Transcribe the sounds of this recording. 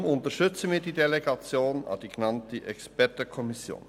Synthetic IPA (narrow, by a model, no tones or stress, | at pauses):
mʊntəɾʃtʏt͡səmiːɾdiːdeleɡɑt͡sjoːnɑ̰d̥iɡenɑntiʔɛkspɛrtəkʰɔmisjo̰ːn